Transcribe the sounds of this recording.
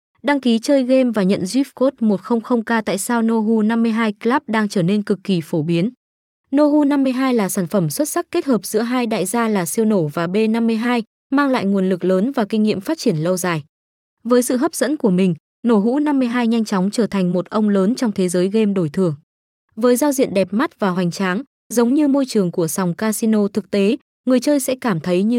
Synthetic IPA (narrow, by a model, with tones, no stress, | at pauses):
ɗa˧ŋki˨˦t͡ɕəː˧jɣe˧mvaː˨˩ɲə̰˧˨nzwi˦˥p̚ko˦˥t̚mo˨˩t̚xə˧wŋ͡mxə˧wŋ͡mkaː˧t̪a̰ː˧˨jsaː˧wno˧ɦu˧na˧mːɨ˧əjɦaː˧jklaː˦˥p̚ɗaː˧ŋt͡ɕəː˧˩ne˧nkɨ˨˩kːi˨˩fo˧˩ɓi˨˦ən | no˧ɦu˧na˧mːɨ˧əjɦaː˧jlaː˨˩saː˧˩nfə˧˩mswə˦˥t̚sa˦˥k̚kːe˦˥t̚həː˨˩p̚z̥ɨ̰˧˥əɦaː˧jɗa̰ː˧˨jzaː˧laː˨˩si˧əwno˧˩vaː˨˩ɓe˧na˧mːɨ˧əjɦaː˧j | maː˧ŋla̰ː˧˨jŋu˨˩ənlɨ˨˩k̚ləː˨˦nvaː˨˩kï˧ŋ̟ŋḭ˧˨əmfaː˦˥t̚t͡ɕi˧˩ənlə˧wzaː˨˩j | vəː˨˦jsɨ̰˧˨ɦə˦˥p̚zə̰˧˥nku˧˩əmï˨˩ŋ̟ | no˧˩ɦṵ˧˥na˧mːɨ˧əjɦaː˧jɲa˧jŋt͡ɕɔ˨˦wŋ͡mt͡ɕəː˧˩t̪ʰa˨˩jŋ̟mo˨˩t̚ʔə˧wŋ͡mləː˨˦nt͡ɕɔ˧wŋ͡mt̪ʰe˨˦zəː˨˦jɣe˧mɗo˧˩jt̪ʰɨ˨˩əŋ | vəː˨˦jzaː˧wzḭ˧˨ənɗɛ˨˩p̚ma˦˥t̚vaː˨˩ɦwa˨˩jŋ̟t͡ɕaː˨˦ŋ | zə˨˦wŋ͡mɲɨ˧mo˧jt͡ɕɨ˨˩əŋku˧˩əsa˨˩wŋ͡mkaː˧si˧no˧t̪ʰɨ˨˩k̚t̪e˨˦ | ŋɨ˨˩əjt͡ɕəː˧jsɛ̰˧˥kaː˧˩mt̪ʰə˨˦jɲɨ˧